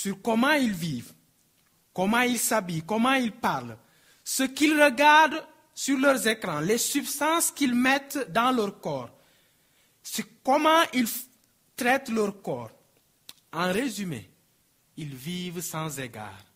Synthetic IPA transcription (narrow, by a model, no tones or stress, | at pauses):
syɾkɔmɑ̃ilviːv | kɔmɑ̃ilsabikɔmɑ̃ilpaʁl | səkilʁəɡaʁd̪ | syʁlœʁzekɾɑ̃lesybst̪ɑ̃skilmɛt̪d̪ɑ̃lœʁkɔːʁ | skɔmɑ̃ʔil | t̪ɾɛt̪lœɾkɔːʁ | ɑ̃ʁezymḛ | ilvivsɑ̃zeɡa̰ːʁ